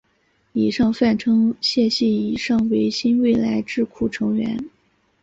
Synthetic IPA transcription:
i˨˩ʂɑ˥˧ŋfa˥˩nʈ͡ʂʰɤ˥ŋɕjɛ˥˧ɕi˥˩i˨˩ʂɑ˥˩ŋwe˧˥ɪɕi˥nwe˥˩ɪla˧˥ɪʈ͡ʂɻ̩˥˧kʰu˥˩ʈ͡ʂʰɤ˧˥ŋɥɛ̰˧˥n

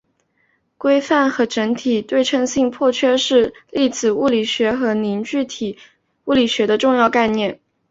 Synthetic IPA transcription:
kwe˥ɪfa˥˩nxɤ˧˥ʈ͡ʂə˧˥ŋt̪ʰi˨˩t̪we˥˩ɪʈ͡ʂʰɤ˥˧ŋɕi˥˧ŋpʰwɔ˥˩t͡ɕʰɥɛ˥ʂɻ̩˥˧li˥˩t͡sɹ̩˨˩u˥˩li˨˩ɕɥɛ˧˥xɤ˧˥ni˧˥nt͡ɕy˥˩t̪ʰi˨˩˦ | u˥˩li˨˩ɕɥɛ˧˥d̪ə˧ʈ͡ʂʊ˥˧ŋjɑ˥˧ʊka˥˧ɪnjɛ˥˩n

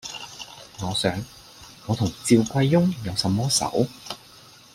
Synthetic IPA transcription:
ŋɔː˨˧sœː˨˥ŋ | ŋɔː˨˧t̪ʰʊ˨˩ŋt͡siː˧wkʷɐ˧jːʊ˥ŋjɐ˨˧wsɐ˨˧mːɔː˥sɐ̰˨˥w

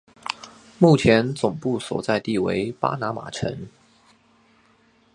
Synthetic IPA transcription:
mu˥˩t͡ɕʰjɛ˧˥nt͡sʊ˨˩ŋpu˥˩swɔ̰˨˩t͡sa˥˧ɪt̪i˥˩wḛ˧˥ɪpa̰˥na˧˥ma̰˨˩ʈ͡ʂʰə̰˧˥ŋ

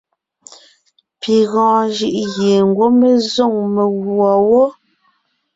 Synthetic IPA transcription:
pi˨ɣɔ̃ː˨d͡ʒɯ˦ʔɣje˨ŋ̩˨ɡwo˦me˨zo˦˨ŋme˨ɣwɔ˨wo˦

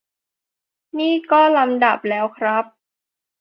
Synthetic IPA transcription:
niː˥˩kɔː˥˩la˧mda˨˩p̚lɛː˦˥wkʰɾa˦˥p̚

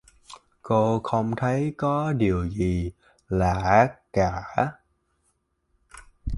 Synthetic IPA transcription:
ko˧xə˧wŋ͡mt̪ʰə˨˦jkɔ˨˦ɗi˨˩əwzi˨˩ | laː˨˩kaː˧˩˦

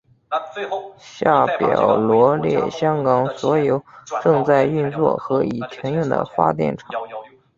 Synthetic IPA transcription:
ɕja˥˩pjɑ˨˩ʊlwɔ˧˥ljɛ̰˥˩ɕjɑ˥ŋkɑ˨˩ŋswɔ˧˥jo˧˩ʊʈ͡ʂɤ˥˧ŋt͡sa˥˧ɪy˥˧nt͡swɔ̰˥˩xɤ˧˥i˨˩t̪ʰɛ˧˥njʊ˥˩ŋd̪ə̰˩fa̰˥t̪jɛ̰˥˩nʈ͡ʂʰɑ˨˩˦ŋ

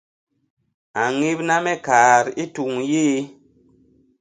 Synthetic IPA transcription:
a˨ŋi˦p̚na˦mɛ˦ka˨ɾi˦tu˨ŋjiː˦

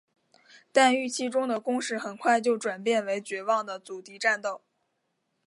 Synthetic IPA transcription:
t̪a˥˧ny˥˩t͡ɕʰi˥ʈ͡ʂʊ˥ŋd̪ə˨kʊ˥ŋʂɻ̩˥˩xə˨˩nkʰwa˥˧ɪt͡ɕjo˥˩ʊʈ͡ʂwa˨˩npjɛ˥˩nwe˧˥ɪt͡ɕɥɛ˧˥wɑ˥˩ŋd̪ə˩t͡su˨˩t̪i˧˥ʈ͡ʂa˥˧nt̪o˥˩ʊ

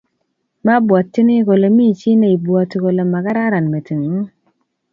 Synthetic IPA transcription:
ma˦bwɔ˨tːi˦ni˦ɡo˨lo˨mi˦˨t͡ʃi˦ne˦˨i˨bwɔ˨tɡo˨lo˨ma˨ka˦ɾa˦ɾa˨nme˨ti˨ŋ˨˦

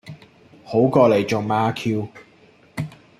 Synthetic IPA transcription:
ho˨˥wkɔː˧le˨˩jt͡ʃoː˨˩ŋmaː˧˥kʰiː˧w

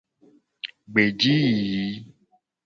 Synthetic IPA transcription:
ɡ͡be˨d͡ʒi˦ji˨ji˨˦

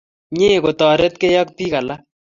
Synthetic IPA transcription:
ɲe˦˨ko˨tɔ˨ɾe˦tke˦jɔ˦k̚pi˦ka˨la˦

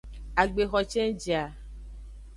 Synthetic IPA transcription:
a˨ɡ͡be˨xɔ˨t͡ʃɛ̃˦d͡ʒi˨a˨

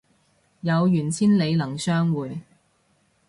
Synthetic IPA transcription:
jɐ˨˧wjyː˨˩nt͡sʰiː˥nle˨˧jlɐ˨˩ŋsœː˥ŋwuː˨˧j

